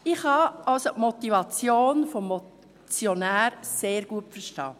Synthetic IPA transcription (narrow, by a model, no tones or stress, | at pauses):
ɪxhɑʔɑlsotmɔtivɑt͡sjoːnfɔmːɔ | t͡sjonæːɾseːɾɡ̥uətfəɾʃtɑ̰ː